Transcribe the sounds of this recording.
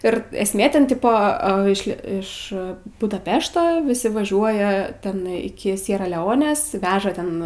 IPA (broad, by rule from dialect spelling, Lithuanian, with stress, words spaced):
ɪr ɛsʲˈmʲeː ˈtʲɛn ˈtʲɪpoː ˈɐ ɪʃ ˈlʲiɛ ɪʃ bʊdɐˈpʲæːʃtoː ˈʋʲɪsʲɪ ʋɐˈʒʲuɔjɛ ˈtʲɛn ɪˈkʲɪ ˈsʲiɛrɐ lʲɛˈoːnʲeːs ˈʋʲæːʒɐ tʲɛn